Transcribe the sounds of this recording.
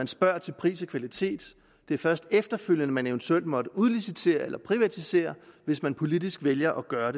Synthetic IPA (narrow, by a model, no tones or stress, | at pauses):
ænsb̥ɶɐ̰t͡sʰe̝lpʰʁḭːsɐkʰʋælit͡sʰe̝̰ːd̥ | d̥e̝æɐfɶɐsd̥efd̥ɐføl̰jənəmæne̝ʋənt͡sʰuel̰d̥mɒ̽d̥əuðˠlisit͡sʰe̝̰ːɐelɐpʰʁiʋæt͡sʰise̝̰ːɐʋe̝smænpʰo̝lid̥isɡ̥ʋeljɐʔɒ̽ɡ̥ɶːɐɾe̝